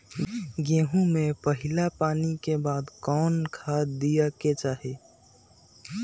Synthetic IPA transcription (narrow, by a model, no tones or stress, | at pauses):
ɡẽːɦũmẽpəɦɪlapaːnikebaːd̪kɔːnkʰad̪ijaket͡ʃaːɦe